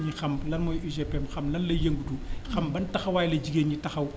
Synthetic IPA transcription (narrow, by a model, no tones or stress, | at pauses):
ɲixɐmlɐnmɔjizɛpɛmxɐmlɐnlɐjɐŋɡuduxɐmbɐntɐxɐwaːjlɐɟiɡeːnɲitɐxɐw